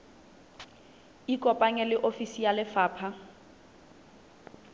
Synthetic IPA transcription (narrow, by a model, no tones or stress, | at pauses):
ikʼɔpʼaŋɛlɪʔofisijalɪfaːpʰa